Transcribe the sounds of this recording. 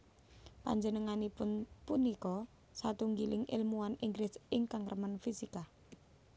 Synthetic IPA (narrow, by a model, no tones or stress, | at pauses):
pa̰ɲd͡ʒənəŋanipʊnpunikɔ | sat̪uŋɡilɪŋʔɪ̰lmuaniŋɡɾɪsɪŋkaŋrəmənfisika